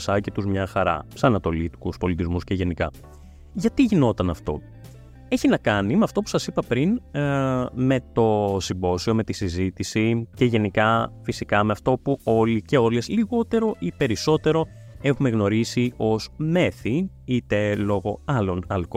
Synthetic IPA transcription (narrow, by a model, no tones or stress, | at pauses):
sɐcit̪uzmɲɐxɐɾɐ̰sɐnɐt̪o̞lit̪i̥kuspo̞lit̪izmusceʝe̞nikɐ | ʝɐt̪iʝino̞t̪ɐnɐft̪o̞̰ | eçinɐkɐnimeɐft̪o̞pu̥sɐsipɐpɾin | me̞t̪o̞simbo̞sio̞me̞t̪isizit̪isice̞ʝe̞nikɐfisikɐmeɐft̪o̞puo̞lice̞o̞lezliɣo̞t̪e̞ɾo̞ʔipe̞ɾiso̞t̪e̞ɾo̞ | e̞xume̞ɣno̞ɾisio̞sme̞θi | it̪e̞lo̞ɣo̞ɐlo̞nɐlko